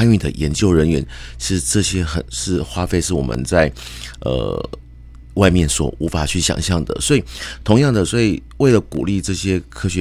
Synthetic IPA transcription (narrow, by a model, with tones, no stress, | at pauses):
a˥ny˥˩nd̪ə̰˨˩jɛ˧˥nt͡ɕjo˥˩ʊɻə˧˥nɥɛ˧˥nʂɻ̩˥˩˧ʈ͡ʂɤ˥˧ɕjɛ˥xə̰˨˩nʂɻ̩˥˩xwa˥fe˥˧ɪʂɻ̩˥˩wɔ̰˨˩mʔə̰˦nt͡sa˥˩ɪə̰˧˩ | wa˥˧ɪmjɛ˥˩nswɔ̰˨˩u˧˥fa˨˩t͡ɕʰy˥˩ɕjɑ̰˨˩ŋɕjɑ˥˩ŋd̪ə̰˩swɔ˧˥i˨˩t̪ʰʊ˧˥ŋjɑ˥˩ŋd̪ə˩swɔ˧˥i˨˩we˥˩ɪlə˩kṵ˨˩li˥˧ʈ͡ʂɤ˥˩ɕjɛ˥kʰɤ˥ɕɥɛ˧˦